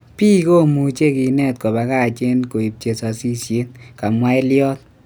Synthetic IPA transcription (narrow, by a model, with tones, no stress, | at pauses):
piː˦ko˦˨mu˨t͡ʃe˦ki˨˧nɛ˦˨t̪̚ko˨ba˨ka˦˨t͡ʃe˦nko˨i˨p̚t͡ʃe˨sɔ˨si˦sje˦tka˨mwa˦ɪ˦ljɔ˦t̪̚